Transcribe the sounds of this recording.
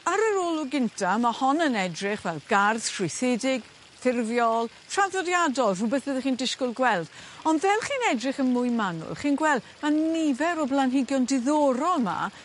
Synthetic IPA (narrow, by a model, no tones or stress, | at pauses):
aɾəɾoːlˠʊɡɪntʰamahɔnənɛdrɪχvɛlˠɡ̥arθtʰrɪjθɪdɪɡ̥ | θɪrvjɔlˠ | tʰr̥aðɔdjadɔlˠrʊbɛθbəðɛχiːndɪskʊlˠɡwɛlˠd̥ɔndvɛlˠχiːnɛdrɪχənmʊjmanʊ̰lˠχiːnɡwɛlˠd | manɪvɛɾɔblˠanɦɪɡjɔndɪðɔɾɔlˠma̰